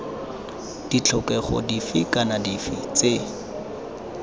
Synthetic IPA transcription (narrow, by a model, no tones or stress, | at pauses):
d̥it͡ɬʰɔkɛχɔ̰difɪkanadifɪt͡se